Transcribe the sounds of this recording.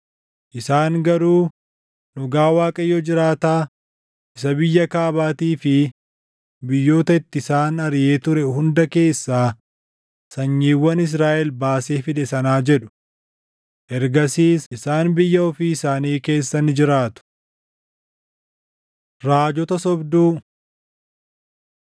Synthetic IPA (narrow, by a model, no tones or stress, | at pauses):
ʔɪsaːŋɡɐɾuː | nʊɡaːwaːkʼɐjːɔd͡ʒɪɾaːt̪aː | ʔɪsɐbɪjːɐkaːbaːt̪iːfɪ | bɪjːo̞ːt̪ɐɪt̪ːɪsaːnɐɾje̞ːt̪ʊɾɛhʊnd̪ɐke̞ːsːaː | sɐɲːiːwːɐnɪs̬ɾaːʔɛlbaːseːfɪᶑ̪ɛsɐnaːd͡ʒɛᶑʊ̥ | ʔɛɾɡɐsiːsɪsaːnbɪjːɐɔfiːɪsaːniːke̞ːsːɐnːɪd͡ʒɪɾaːt̪ʊ̥ | ɾaːd͡ʒɔt̪ɐsɔbd̪uː